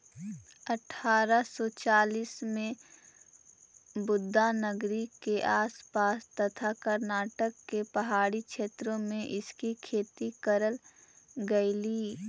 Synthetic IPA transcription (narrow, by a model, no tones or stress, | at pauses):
ɐʈʰaːɾəsɔt͡ʃaːliːsmẽ | bʊd̪ʱːanəɡɾikeʔaːspaːst̪ɐt̪ʰakəɾnaːʈəkːepɐɦaːɽikʃʰeːt̪ɾõmẽʔɪskikʰeːt̪ikəɾəl | ɡɐiliː